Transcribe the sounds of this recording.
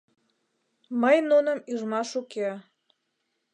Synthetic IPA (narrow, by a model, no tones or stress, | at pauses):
məjnunəmyʒmɑʃuke